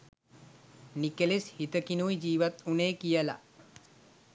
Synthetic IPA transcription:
nikəleshit̪əkinujid͡ʒiːʋat̪uneːkijəla̰

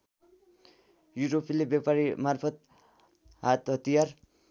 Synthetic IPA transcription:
juɾopilebjapaɾimarpʰʌt̪̚ | ɦat̪ɦʌt̪ijar

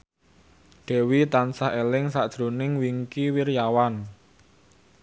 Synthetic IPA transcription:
ɖ̥ɛ̤wit̪ansaelɪŋsaʔd̥ʒ̥ɾo̤nɪŋwiŋkiwirjawan

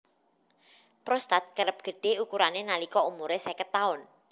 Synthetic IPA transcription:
pɾɔst̪at̪̚kəɾəp̚ɡ̥ə̤ɖ̥e̤ukuɾanenalikɔumuɾesɛkət̪aʊn

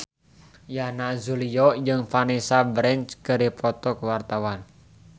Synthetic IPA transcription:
janazulijɔjɨŋfanisabɾɛnt͡ʃkəɾipɔt̪ɔkəwart̪awan

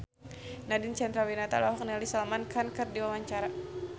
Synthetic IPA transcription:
nadint͡ʃɛnd̪ɾawinat̪a̰lahak̚nialisalamankankərdiwawaɲt͡ʃaɾa

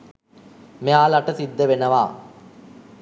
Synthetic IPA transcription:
meaːlaʈəsid̪ːəʋenəʋaː

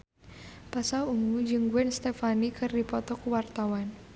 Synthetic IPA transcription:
pasauŋud͡ʒɨŋɡuɛnst̪ɛfanikʰɨrdipɔt̪ɔkuwart̪awan

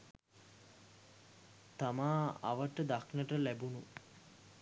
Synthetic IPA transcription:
t̪amaːa̰ʋəʈəd̪aknəʈəlæbunu

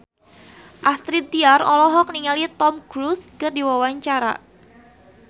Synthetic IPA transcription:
ʔast̪ɾit̪iarɔlɔɦɔk̚niŋalit̪ɔmɡɾuskərdiwawaɲt͡ʃaɾa̰

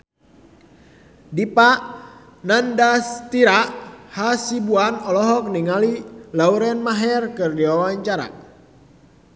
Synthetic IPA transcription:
dipaʔ | nandast̪iɾaʔhasibuanɔlɔɦɔk̚niŋalilauɾɛnmaɦɛrkɨrdiwawaɲt͡ʃaɾa̰

